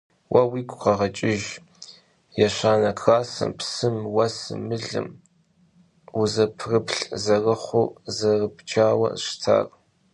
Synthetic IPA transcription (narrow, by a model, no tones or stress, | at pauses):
wʔɐwiːkʷʰʼqɐʁɐt͡ʃʼɪʒ | jɛɕaːnɐkʰraːsɨ̰mpsɨmwɐsɨ̰mɨɮɨ̰m | uzɐpʰrɨpʰɬzɐrɐχʷʊzɐrɨpt͡ʃʰʼaːwɐ̰ʃtʰa̰ːrʼ